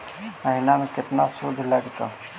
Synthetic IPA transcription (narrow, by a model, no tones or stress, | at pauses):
məɦinamẽkɪt̪nasuːd̪ʱlaɡt̪a̰